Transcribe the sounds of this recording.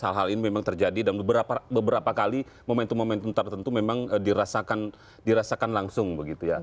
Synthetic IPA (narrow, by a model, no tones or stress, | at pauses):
əɦalɦalinimemaŋt̪ərd͡ʒadidanbəbəɾapabəbəɾapakali | momɛnt̪umomɛnt̪unt̪ərt̪ənt̪umemaŋədiɾasakan | diɾasakanlaŋsʊŋbəɡit̪uja